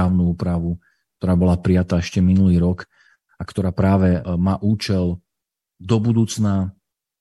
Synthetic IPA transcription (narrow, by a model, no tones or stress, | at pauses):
aːʊnuuːpɾaʋu | k̚t̪ɔɾaːbɔlapɾijat̪aːɛʃcɛminuliːɾɔk | akt̪ɔɾaːpɾaːʋɛmaːʔuːt͡ʃɛl | d̪ɔbud̪uːt͡sna